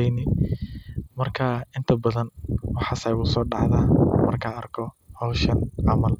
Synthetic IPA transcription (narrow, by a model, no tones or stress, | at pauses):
ɛnɪ | mɐrkʰaːɪnt̪ʰɐbɐðɐnwɑħɑːsɐɣʊsɔːɖɑʕðaːmɐrkʰaːɐrkʰɔ | hɔwʃɐnʕɑmɐl